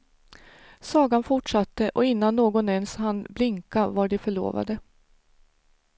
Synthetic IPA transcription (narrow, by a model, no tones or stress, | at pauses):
sɑːɡanfʊʈʂat̪ːəʔɔɪnːanːoːɡɔnɛnshanblɪŋkavaɖɛfœɭo̰ːva̰d̪ə